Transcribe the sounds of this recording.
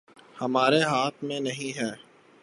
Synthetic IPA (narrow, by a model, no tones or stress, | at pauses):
hɐmaːɾeɦaːt̪ʰmẽnɐɦĩɦɛː